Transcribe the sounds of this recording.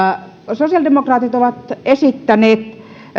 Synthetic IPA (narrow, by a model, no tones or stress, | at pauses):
sosiɑldemokrɑːt̪it̪oʋɑt̪esit̪ːæneːt̪